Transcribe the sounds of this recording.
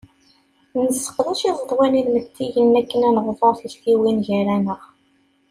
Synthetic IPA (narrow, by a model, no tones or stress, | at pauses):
nəsːə̥qðˤæʃizˤəðˤwæniðmət̪ːiʝənːækːənænʁðˤəɾˤθisθiwinʝæɾænəʁ